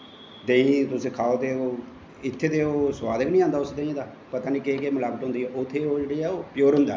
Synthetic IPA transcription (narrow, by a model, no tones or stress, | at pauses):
d̪eːĩːt̪ʊsĩːkʰaːoːt̪eːo | ɪt̪ʰːeːt̪eːoːsʋaːd̪əknĩːãːnd̪aːʊsd̪eːĩd̪aː | pət̪aːnĩːkeːkeːməlaːbət̪ɦõnd̪iːɛːʔʊt̪ʰːeːoːd͡ʒeːɽiːɛːoːpɪjoːɾõnd̪a̰ː